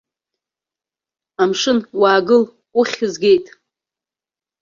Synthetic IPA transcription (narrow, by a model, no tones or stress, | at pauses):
amʂɨnwaːɡɨl | uχʲɨzɡʲe̞jtʼ